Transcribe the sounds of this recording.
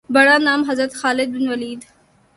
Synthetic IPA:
bɐɽanɑːmɦɐzɾat̪xɑːlɪd̪̚bɪnwalid̪

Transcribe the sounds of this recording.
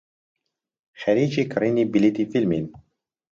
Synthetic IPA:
xæɾiːd͡ʒikʰɾinibilit̪ifilmin

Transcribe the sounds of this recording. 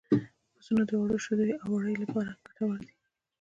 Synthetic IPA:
osunad̪əwaɽoʃod̪ojawaɽəjlapɑɾakaʈ̪awəld̪i̥

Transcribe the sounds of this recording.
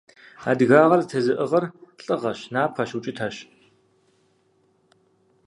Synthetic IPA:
a̰dɣaːʁɐrtʰɐzɨʔəʁɐrɬʼɨʁɐɕnaːpʰɐɕut͡ʃʼɪtʰaɕ

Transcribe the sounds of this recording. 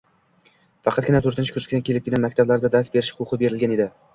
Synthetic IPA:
fɑqʰɑt̪ɡʲɪnat̪ʰɵɾt̪ɪnt͡ʃɪ̥kʰʊɾskʲɪd̪ankʰʲe̞lɪpkʲelʲanmak̚ʲt̪ʰablaɾd̪ad̪ast̪be̞ɾɪʃqʰʊqʰɨbe̞ɾɪlɡʲane̞d̪ɪ

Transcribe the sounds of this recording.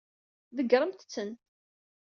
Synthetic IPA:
ðəɡɾˤəmt̪t͡sːən

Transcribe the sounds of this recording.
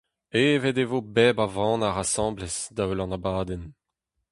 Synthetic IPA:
eːved̪evoːbɛːbavɑ̃naʁasɑ̃ːblɛsd̪aølɑ̃nabaːd̪ɛn

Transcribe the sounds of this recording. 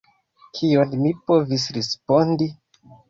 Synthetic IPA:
kʰionmipo̞visɾespo̞ndi

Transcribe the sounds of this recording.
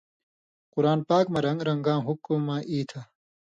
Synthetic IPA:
qʊɾaːnpaːkmɐɾɐŋɡɾɐŋɡãːɦukmãːʔiːt̪ʰa

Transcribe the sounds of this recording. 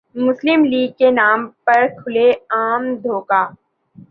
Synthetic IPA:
mʊslɪmliːɡ̚kenaːmpɐɾkʰʊleaːmd̪ʱoːkaː

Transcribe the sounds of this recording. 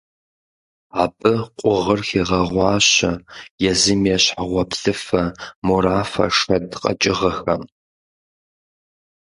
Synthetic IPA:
aːbʼɨqʷʼʊʁərxiːʁɐʁʷɑːɕɐjɛzɨmjɛɕħaʁʷɔpɬɨfɐmuɾaːfɐ̰ʂɐdqʼɐ̰t͡ʃʼɪʁɐxɐm

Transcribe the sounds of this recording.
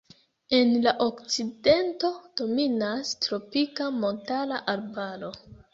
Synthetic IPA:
e̞nlaʔo̞kt͡side̞nto̞d̥o̞minastɾo̞pikamo̞ntalaʔalbaɾo̞

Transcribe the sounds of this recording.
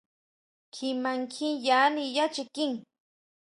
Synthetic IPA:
kʰɪmaŋkʰiŋjanijat͡ʃɪkɪŋ

